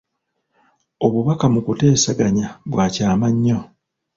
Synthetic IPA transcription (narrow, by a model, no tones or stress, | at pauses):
o̞βuβakamukute̞ːsaɡaɲaβwaːcaːmaɲːo̞